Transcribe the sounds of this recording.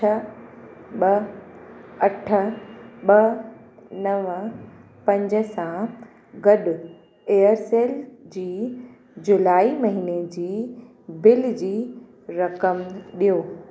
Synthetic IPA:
t͡ɕʰɐ | ɓɐ | ɐʈʰə̆ɓɐ | nɐʋ | pɐ̃ɲd͡ʑəsã | ɡɐɗʊ | eːəɾseːld͡ʑiː | d͡ʑʊlaːimɐɦined͡ʑiː | bɪld͡ʑiː | ɾɐkəmɗijoː

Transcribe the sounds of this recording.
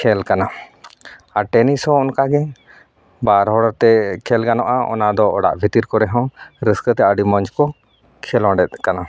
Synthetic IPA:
kʰɛlkana | aʈɛnisɔ̃ɔnkaɡɛ | baɾɦɔɽɔɾt̪ɛkʰɛlɡanɔʔaɔ̰nad̪ɔɔ̰ɽa̰ʔbʱit̪iɾkɔɾɛɦɔ̃ɾəskət̪ɛəɖimɔɲd͡ʒkɔ | kʰɛlɔ̃ɖɛt̪̚kana

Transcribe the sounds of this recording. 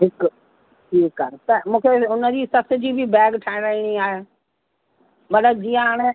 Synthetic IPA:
ɦɪk | ʈʰiːkːaːet̪ɐmũːkʰeʊnəd͡ʑiːsɐsɪ̆d͡ʑiːbʱɪbɛːɡʈʰãːɪ̃ɾaiɽ̃iaːɦe | mɐt̪ləb̚d͡ʑiːãɦaːɽ̃e

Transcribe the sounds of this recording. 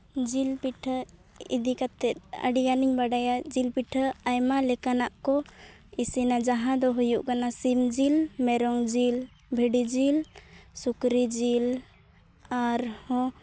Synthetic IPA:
d͡ʒilpiʈʰə | ḭd̪ikat̪ɛt̪̚ˀə̰ɖiɡaniɲbaɖajad͡ʒilpiʈʰəajmalɛkanaʔkɔ | isinad͡ʒaɦãd̪ɔɦujuʔkanasimd͡ʒilmɛɾɔŋd͡ʒil | bʱeɖid͡ʒilsukɾid͡ʒil | aɾhɔ̃

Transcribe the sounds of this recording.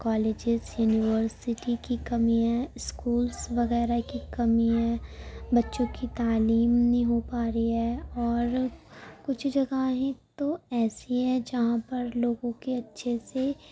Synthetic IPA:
kɔːleːd͡ʒɪzjuːnɪʋəɾsɪʈikikɐmiɦɛ̃ɪskuːlsʋɐɣɛːɾakikɐmiɦɛ̃bɐtːʃõkit̪aːliːmnĩɦopaːɾiɦɛɔːɾkʊt͡ʃʰd͡ʒɐɡaɦẽt̪oɛːsiɦɛ̃d͡ʒɐɦãpɐɾloːɡõkeɐtːʃʰese

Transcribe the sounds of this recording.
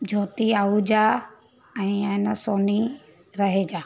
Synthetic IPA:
d͡ʑʱoːt̪iaːud͡ʑaː | ɛ̃ːɛnəsoːni | ɾɐɦed͡ʒaː

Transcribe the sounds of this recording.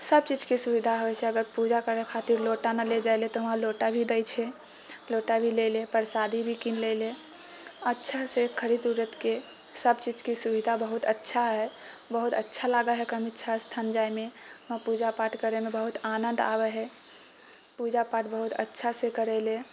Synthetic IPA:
səbt͡ʃid͡ʒkisubid̪ʱaɦojsɛəɡəɾpud͡ʒakəɾɛkʰat̪iɾloʈanaled͡ʒajlet̪ɔɦəãloʈabʱid̪əjt͡ʃʰɛ | loʈabʱilelepəɾsad̪ʱibʱikinlele | ətːʃʰasekʰəɾid̪uɾət̪ke | səbt͡ʃid͡ʒkisubid̪ʱabəɦut̪ətːʃʰaɦɛ | bəɦut̪ətːʃʰalaɡaɦɛkəmitːʃʰast̪ʰand͡ʒaimeɦmãpud͡ʒapaʈkəɾemebəɦut̪anənd̪a̰bɛɦɛ | pud͡ʒapaʈbəɦut̪ə̰tːʃʰasekəɾɛle

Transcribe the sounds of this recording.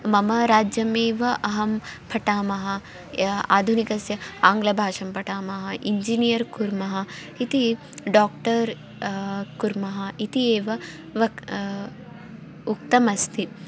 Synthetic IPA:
mɐmɐɾaːd͡ʒjɐmeːʋɐʔɐɦɐmpʰɐʈaːmɐɦɐ | a̰ːd̪ʱunikɐsjɐaːŋɡlɐbʱaːʂɐmpɐʈaːmɐɦɐʔiɲd͡ʒinijɐɾkuɾmɐɦɐ | it̪i | ɖaːk̚ʈɐɾ | kuɾmɐɦɐit̪ieːʋɐ | ʋɐ | ukt̪ɐmɐst̪ʰi

